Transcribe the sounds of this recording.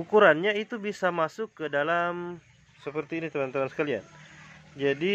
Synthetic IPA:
ukuɾanɲait̪ubisamasʊkːədalam | səpərt̪iːnit̪əmant̪amansə̥kalia̰nd͡ʒadi

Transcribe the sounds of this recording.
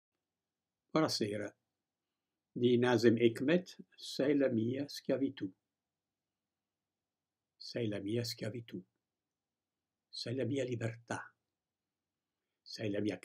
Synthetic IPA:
aɾaseːɾa | d̪inazɛmɛkmɛt̪sɛjlamiːaskjavit̪u | sɛjlamiːas̬kjavit̪u | sɛjlamiːalibɛrt̪a | sɛjlamiak

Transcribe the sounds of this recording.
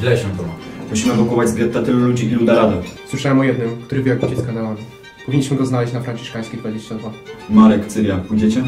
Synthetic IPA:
vlɛɕɛt̪ɔamuɕimɛbɔkɔvad͡ʑzbʲjɛt̪ːat̪ɘlulud͡ʑiilud̪aɾad̪ɔswɘʂawɛmɔjɛd̪nɘmkt̪uɾɘvʲjɔkut͡ɕɛskanalavʲi | pɔvʲiɲːiɕmɘɡɔznalɛɕt͡ɕʲnafɾanʲt͡ɕi̥ʂkaj̃skʲepɔjʲed͡ʑet͡ɕt̪ɛd̪vamaɾɛkt̪sɘvʲjapujd͡ʑɛt͡ɕɛ

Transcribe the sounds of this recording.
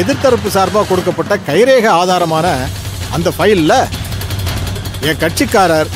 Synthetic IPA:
ɛðɪɾt̪ɐɾɐpːɯsaːɾbaːkɔɽɯkːɐpːɐʈːɐkɐɪɾeːɣɐaːðaːɾɐmaːnɐ | ɐ̰nd̪ɐfɐjɪllːɐ | ɛŋkɐʈ̚t͡ʃɪkːaːɾaːɾ

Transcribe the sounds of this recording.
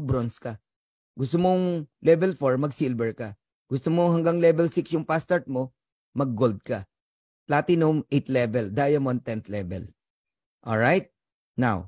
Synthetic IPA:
bɾonskɐ | ɡʊst̪omoŋlɛvɛlfoɹmɐɡsilbɛɹka | ɡ̥ʊst̪omoŋhɐŋɡaŋlɛvɛlsɪksjʊŋpast̪aɹt̪̚mo̞ | mɐɡ̚ːold̪̚kɐ | plat̪ɪnʊmʔejt̪lɛvɛld̪aːjɐmoʔɐŋt̪ɛnt̪lɛvɛ̰l | ʔo̰lɹajt̪̚ | na̰w

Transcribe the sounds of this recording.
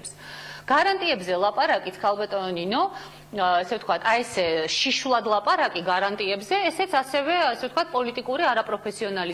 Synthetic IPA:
psɡ̥aɾant̪ʼiɛbzɛlˠapʼaɾakʼit̪sʰkʰalˠbat̪ʼɔɔninɔ | ɛsɛvt̪ʰkʰwat̪ʰaɛsɛʃiʃulˠad̪lˠapʼaɾakʼiɡaɾant̪ʼiɛbzɛːsɛt̪sʰasɛvɛasɛvt̪̚ʰkwat̪̚pʼɔlit̪ʼikʼuɾiaɾapʼɾɔpʰɛsiɔnali

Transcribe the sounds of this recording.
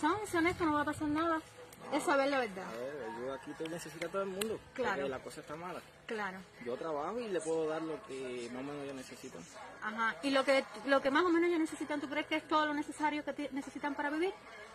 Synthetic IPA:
soŋsoneht̪ono̞βapasaɾnaðaesaβe̞ɾlaβe̞ɾða̰βeɾʝoakit̪ene̞se̞sit̪at̪oðelmũnd̪oklaɾoelako̞saest̪amala | klaɾoʝo̞t̪ɾaβahoile̞pweðoðaɾlokemahomenoʝone̞se̞sit̪a̰ŋaɦãilo̞ket̪lo̞ke̞maso̞mẽno̞ʝone̞se̞sit̪ant̪ukɾe̞hkeest̪o̞ðolone̞se̞saɾjo̞ket̪ene̞se̞sit̪ampaɾaβiβiɾ

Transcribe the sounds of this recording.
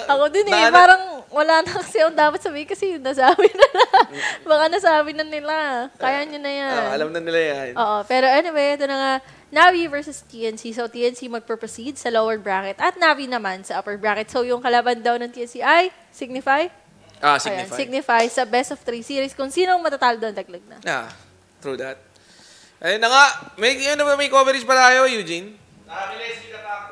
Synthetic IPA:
ʔɐkod̪onɛpaːɾɐŋwɐlaːnɐkɐ̥sɛɐŋd̪aːpɐt̪sɐbiːhɪnkɐsɛnɐsaːbɪnɪlabɐkanɐsaːbɪnɐnɪlakaːjaɲonɐjanɐlamnɐnɪlajanʔoːʔopɛːɾoʔɐnowɛʔɛt̪̬onːɐŋa | navivɛɹsʊst̪iːʔɛnsisowt̪iːʔɛnsimɐɡ̚pɛpɹosid̪̚sɐloːwɛɹbɹakɛt̪ʔɐt̪̚navinɐmansɐʔɐpɛɹbɹaːkɛt̪̚sowjʊŋkɐlabɐnd̪ɐwnɐŋt̪iʔɛnsiʔaj | sɪɡ̚nɪfaj | ʔasɐjnsɪɡ̚nɪfajsɐbɛst̪ɔft̪ɾiːsiɾiskʊŋsiːnoŋmɐt̪at̪aːloɡd̪ɐnt̪ɐɡ̚lɐɡ̚nɐ̰a̰ | t̪ɾuːd̪ɐt̪̚ | ʔɐjʊnːɐŋaʔmɐjjond̪ɐbat̪mɐjkovɛɾɛd͡ʒpɐlaʔɐjojuːd͡ʒin

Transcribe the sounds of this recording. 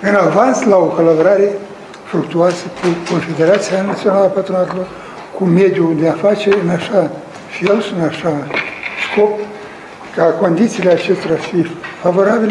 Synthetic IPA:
ɨnavanslaokalaboɾaɾe | fɾukt̪uaskukonfed̪eɾat̪sijanat͡ssionalapat̪ɾonat̪lo | kʰumed̪ʲjud̪eafat͡ʃeɨnaʃa | fielsɨnaʂaskop̚ | kakond̪it̪siːleat͡ʃest̪ɾafifavoɾabʲil

